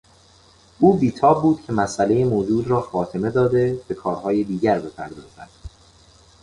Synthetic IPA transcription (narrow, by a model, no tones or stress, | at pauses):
ʔuːbiːt̪ʰɒːb̚ːuːd̪̥̚cʰe̞mæsʔæle̞jemoːd͡ʒuːd̪ɾɒːfɒːt̪ʰe̞me̞d̪ɒːd̪e̞b̥e̞kʰɒːɾɦɒːjed̪iːɟæɾbe̞pʰæ̰ɾd̪ɒːz̥æ̰d̪̥